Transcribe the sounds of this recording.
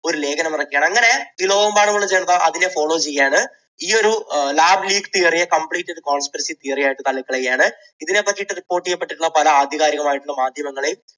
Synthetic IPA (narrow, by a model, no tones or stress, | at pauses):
o̞ɾule̞ːɡɐnɐmirɐkːijaːɳɐŋːɐne̞iːlo̞ːʋɐmbaːɳɨmoɳːt͡ɕejɐɳːɐðaʔɐðine̞fo̞ːɭo̞ːt͡ɕejːaːɳɨ | iːo̞ɾulaːbliːkt̪iːrijɐkɐmbɭiːtːɐɽɨko̞ːɳspɐɾɐsit̪iːrijaːjiʈːɨt̪ɐɭːikːɐɭejːaːɳɨ | iðine̞pːɐtːijiʈːɨripːo̞ːʈːijːɐpːeʈːiʈːuɭːɐpɐlɐaːd̪ʱjɐɣaːɾjɐɣɐmaːjiʈːuɭːɐmaːd̪ʱjɐmɐŋːɐɭejum